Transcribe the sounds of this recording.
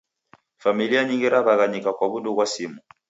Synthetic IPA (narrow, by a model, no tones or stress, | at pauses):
familiaɲiŋɡiɾaβaɣaɲikakwaβunduβwasimu